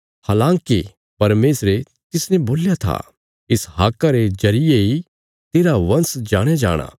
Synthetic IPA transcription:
haːlãːŋke | pɐɾmeːsɾe | t̪ɪsnɛ̃boːljat̪ʰa̰ | ɪsɦa̰ːkːaɾed͡ʒɐɾɪjei | t̪eːɾaʋɐ̃nsd͡ʒaːɽ̃jad͡ʒa̰ːɽ̃a̰ː

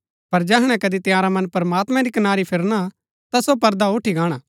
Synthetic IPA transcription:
pɐɾd͡ʒɛɦɽ̃ɛ̃kɐd̪it̪jaːɾamɐ̃npɾɐmaːt̪mɛ̃ɾikɐnaːɾipʰɪɾña | t̪asop̬ɐɾd̪auʈʰiɡãːɽ̃aː

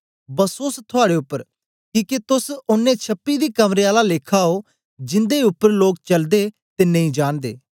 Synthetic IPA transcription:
bəsoːst̪ʰʊaːɽeːʊpːəɾ | kiːket̪ʊsʊnːẽːt͡ʃʰəpːiːd̪iːkəmɾeaːlaleːkʰaːɦoː | d͡ʒɪnd̪eʊpːəɾloːk̚t͡ʃəld̪eː | t̪eːnəɦĩːd͡ʒaːnd̪ḛː

